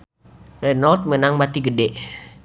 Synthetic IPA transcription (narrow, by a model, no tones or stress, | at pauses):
renalt̪̚mənaŋmat̪iɡədeʔ